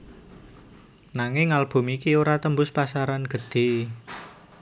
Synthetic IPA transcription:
naŋɪŋalb̥ṳmikioɾat̪əmbʊspasaɾanɡ̥ə̤d̪̥e̤

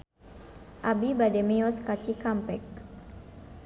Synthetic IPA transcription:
ʔabibademeɔskat͡ʃikampɛk̚

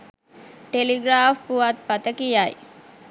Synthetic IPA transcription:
ʈeliɡɾaːfpuʋat̪̚pɐt̪əkijaj

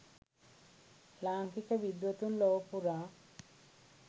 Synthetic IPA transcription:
laːŋkikəʋid̪ʋət̪unloʋpuɾaː

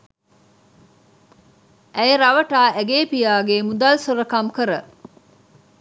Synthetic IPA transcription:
ʔæjeɾɐʋɐʈaːʔæɡeːpijaːɡemud̪aːlsoɾɐkɐmkəɾə

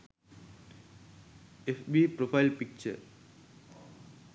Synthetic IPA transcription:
ifʋipɾofaɪlpik̚t͡ʃə̰

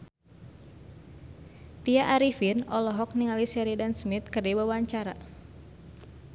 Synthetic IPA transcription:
t̪iaʔaɾifinɔlɔɦɔk̚niŋalisɛɾidansmit̪̚kɨrdibawaɲt͡ʃaɾa

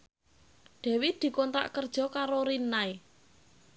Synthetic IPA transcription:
ɖ̪̥ɛ̤wid̪̥i̤kɔnt̪ɾa̰ʔkərd̥ʒ̥ɔ̤kaɾoɾinːae

